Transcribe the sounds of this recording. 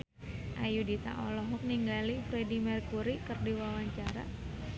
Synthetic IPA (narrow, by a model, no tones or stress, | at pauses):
ʔajudit̪a̰ʔɔlɔɦɔk̚niŋɡalifɾedimɛrkuɾikərdiwawaɲt͡ʃaɾa̰